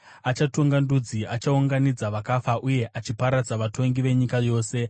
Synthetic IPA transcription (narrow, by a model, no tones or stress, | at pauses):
at͡ʃatoŋɡandud͡ziʔat͡ʃauŋɡanid͡zaʋakafaʔuje̞ʔat͡ʃipaɾad͡zaʋato̞ŋɡiʋe̞ɲikajo̞ːse̞